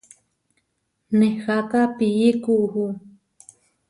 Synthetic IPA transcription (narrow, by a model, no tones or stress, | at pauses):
nehak̪apijikuʔhu